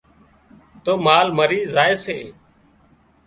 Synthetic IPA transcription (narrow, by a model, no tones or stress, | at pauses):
t̪oːmaːlməɾiːzaːeːseː